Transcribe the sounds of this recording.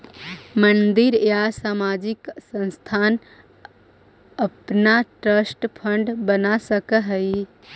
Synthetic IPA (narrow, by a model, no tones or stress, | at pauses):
mənd̪iɾjasaːmaːd͡ʒiksə̃nst̪ʰaːn | əpnaʈɾəsʈpʰəɳɖbənasəkəɦəi